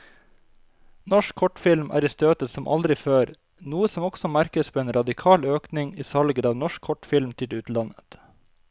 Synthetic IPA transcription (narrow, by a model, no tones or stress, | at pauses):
nɔʃkʰɔʈfɪlmʔæ̰ːɾiːst̪øːt̪əsɔmʔɑ̰ld̪ɾɪføːɾ | nuːəsɔmɔɡ̥sɔmæɾkəspʰoːeːnɾɑd̪ɪkʰɑːløːknɪŋiːsɑlɡəɾɑːʋnɔʃkʰɔʈfɪlmt̪ʰɪʉːt̪lɑnət̪